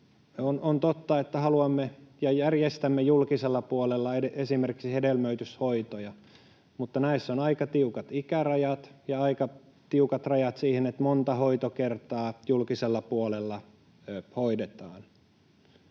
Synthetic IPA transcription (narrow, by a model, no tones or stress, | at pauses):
onont̪ot̪ːɑet̪ːæhɑluɑmːejɑjærjest̪æmːejulkiselːɑpuolelːɑeeesimerki̥ksihedelmøyt̪yshoit̪ojɑ | mut̪ːɑnæisːonɑikɑt̪iukɑt̪ikærɑjɑt̪jɑɑikɑ | t̪iukɑt̪rɑjɑt̪siːhenet̪mont̪ɑhoit̪okert̪ɑːjulkiselːɑpuolelːɑ | hoidet̪ɑːn